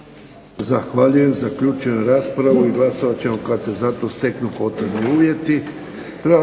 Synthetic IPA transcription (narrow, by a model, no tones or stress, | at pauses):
zaxʋaʎuje̞mzakʎuːt͡ʃueɾaːspɾaʋuiɡlˠaso̞ʋat͡ɕe̞mokadt̪se̞zat̪o̞st̪e̞knupo̞t̪ɾe̞bniuːʋje̞t̪i | pɾa